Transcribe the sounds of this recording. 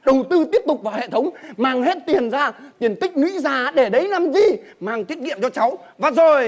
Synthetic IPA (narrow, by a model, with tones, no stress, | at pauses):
ɗə˨˩wt̪ɨ˧t̪i˦˥əp̚t̪ʊ˨˩k͡p̚vaː˨˩whḛ˧˨t̪ʰə˨˦wŋ͡mmaː˨˩ŋɦe˦˥t̚t̪i˨˩ənzaː˧t̪i˨˩ənt̪ï˦˥k̟̚nwḭ˧˥zaː˨˩ɗe˧˩ɗə˨˦jna˨˧˩mzi˨˩ | maː˨˩ŋt̪wi˦˥ət̚ŋḭ˧˨əmt͡ɕɔ˧t͡ɕa˨˦w | vaː˨˩zo˨˩j